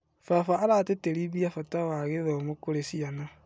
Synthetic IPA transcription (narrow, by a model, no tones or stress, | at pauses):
fafaːɾateteɾiβiafatawaɣeðomokoɾesiana